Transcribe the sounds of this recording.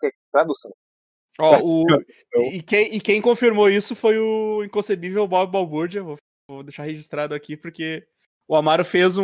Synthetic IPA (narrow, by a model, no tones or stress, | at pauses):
kɛt̪ɾad̪usɐ̃w̃ | ɔʊ | eɪkẽj̃ɪkẽj̃kõfiɾmoisʊfojʊĩkõsebivewbɔbɪbawbuɾd͡ʒɪevo | vod̪eʃaɾheʒist̪ɾad̪ʊakipʊɾke | ʊamaɾʊfez̃